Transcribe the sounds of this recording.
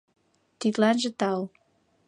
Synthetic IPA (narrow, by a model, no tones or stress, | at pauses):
t̪it̪lænʒĕt̪ɑl